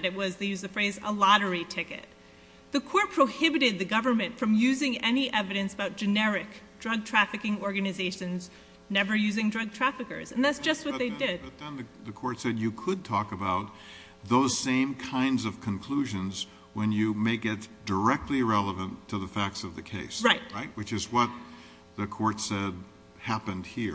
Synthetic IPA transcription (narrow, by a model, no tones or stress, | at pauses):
ɾɨt̚wʌzðeɪjʉzðɨfɹeɪzə̰lɑɾə˞itʰɪkɨ̰t̪̚ | ðɨkʰɔɹt̚pʰɹ̥oʊhɪbɨɾɨd̪̚ðɨɡʌvə˞mɨ̃ntfɹʌ̃mjʉzɪ̃ŋɛniʔɛvɨɾɨ̃nsəbaʊt̚d̥ʒ̥ɨnɛɹɪkd̥ɹʌɡ̚tʰɹ̥æfɨkɪ̃ŋɔɹɡɨnɨzeɪʃɨ̃nz | nɛvə˞jʉzɪ̃ŋdɹʌɡ̚tʰɹ̥æfɨkə̰˞zɨ̃nðætsd̥ʒ̥ʌst̚wʌt̪̚ðeɪdɪdt̪̚ðɨ̃nðɨðɨkʰɔɹtsɛdjɨkʰəd̚tʰɔkɨbaʊt̪̚ | ðoʊz̥sẽɪ̃mkʰãɪ̃ndzʌv̥kʰɨ̃nkʰl̥uʒɨ̃nz | wə̃njɨmeɪɡɛtd̥ə˞ɛk̚tˡliɹɛlˠəvə̃ntʰɨðəfæk̚tsʌvðɨkʰeɪsɹaɪt̚ɹaɪt̚wɨt͡ʃɨzwʌt̪̚ | ðɨkʰɔɹtsɛd̪̚ | hæpɨ̃nd̚hiɹ